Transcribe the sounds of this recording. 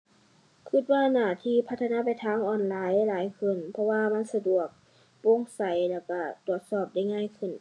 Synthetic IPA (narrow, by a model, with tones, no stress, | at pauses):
kʰɯ˧˩t̪̚waː˧naː˧˩t̪ʰiː˧˥˨pʰa˧t̪ʰːnaː˧˥˨pa˨jt̪ʰaː˧˥ŋʔɔː˧˩nlaː˨˦jlaː˨˦jkʰɯ˧˩˨npʰɔ˧waː˧ma˧˥˨nsa˧du˨˩ək̚ | bo˧˥˨ŋsa˨˦jlɛː˧˩wka˧˩t̪u˨˩ət̪̚sɔː˧˩p̚da˧˥˩jŋaː˧˥˨jkʰɯ˧˩˨n